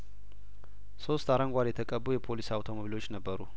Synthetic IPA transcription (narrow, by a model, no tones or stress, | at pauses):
so̞st̪aɾəŋɡʷaljɛt̪ʰəkʼəbːujɛpʰo̞lisawt̪ʰo̞moβilo̞t͡ʃːnəbːəɾu